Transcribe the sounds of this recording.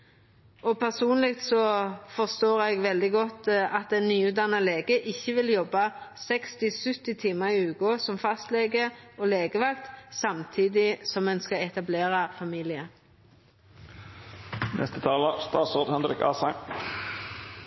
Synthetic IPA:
ɔpʰæʁsuːnlɪk̚t̪sɔfɔʁst̪oːʁɛɡʋɛld̪ɪɡɔt̪ːɑt̪̚d̪ɛnnyːʉːt̪d̪ɑnəleːɡəʔɪçːəʋɪljɔbːɑsɛkst̪ɪsʉt̪ːɪt̪ʰiːməʁɪʉːkɔsɔmfɑst̪leːɡəoːleːɡəʋɑkt̪sɑmt̪ʰiːd̪ɪsɔmːɛnskɑɛt̪ɑbleːʁɑfɑmiːlɪə | nʔɛ̰st̪ət̪ʰɑːləst̪ɑːt̪soːd̪hɛnɾɪkɑ̰ːsæɪn

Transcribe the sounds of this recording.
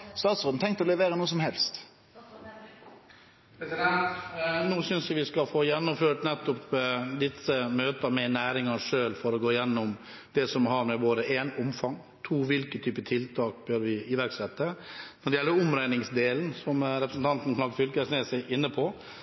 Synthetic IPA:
st̪ɑːt̪sɾoːd̪n̩t̪ʰɛŋkt̪ɔlɛʋeːɾənuːsɔmhɛlst̪ | pɾɛɛt̪nuːsʏnsjæʋɪskɑfoːjɛnːʊmføːʈnɛt̪ːʊpd̪ɪsːəmøːt̪əmɛnæːɾɪŋɑʂøːlfɔɾɔɡoːɪjɛnːʊm | d̪̥ɛsɔmɦɑɾmɛboːd̪əʔeːnʊmfɑŋ | t̪ʰuːʋɪlkət̪ʰyːpət̪ʰɪlt̪ʰɑːk̚bøɾʋɪɪʋæɾksɛt̪ːənɔɖɛjɛlːəɾʊmɾæɪnɪŋsd̪eːlnsɔmɾɛpɾəsn̩t̪ʰɑnt̪n̩lɑːɡfʏlkəsneːsəʔɪnːəpʰɔ

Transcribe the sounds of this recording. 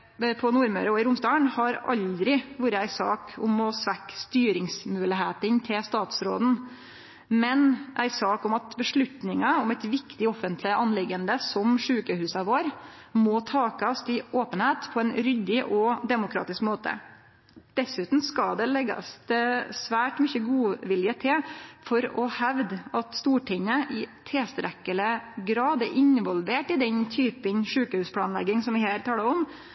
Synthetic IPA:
pʰɔnuːɾmœɾəɔɪɾʊmst̪ɑːəɳhɑɾɑ̰ld̪ɾɪʋuːɾəæɪsɑ̰ːkʰʊmɔsʋækːst̪yːɾɪŋsmʉːlɪɦeːt̪ɪnt̪ʰɪlst̪ɑːt̪sɾo̰ːd̪n̩ | mɛnʔæɪsɑːkʊmɑt̪bəʂɭʉt̪nɪŋɑʊmæɪt̪ʋɪkt̪ɪɔfənt̪lɪʔɑnlɪɡənd̪əsɔmʂʉːkəhʉːsɑʋoːɾ | mɔt̪ʰɑːkɑst̪ɪoːpənheːt̪pʰɔɛnɾʏd̪ɪʔɔd̪ɛmʊkʰɾɑ̰ːt̪ɪskmoːt̪ʰə̰ | d̪̥ɛsʉːt̪n̩skɑd̪ɛlɛɡɑ̰sd̪ɛsʋæːʈmʏçəɡuːʋɪljət̪ʰɪlfɔɾɔ̰hæʋd̪ɑt̪st̪uːʈʰɪŋːəʔɪt̪ʰeːst̪ɾɛkːələɡɾɑːd̪ɛɾʔɪnʋɔlʋeːʈɪd̪ɛɲt̪ʰyːpənʂʉːkəhʉːspʰlɑːnlɛ̰ɡɪŋsɔmʋɪhæːɾt̪ʰɑːləɾɔm

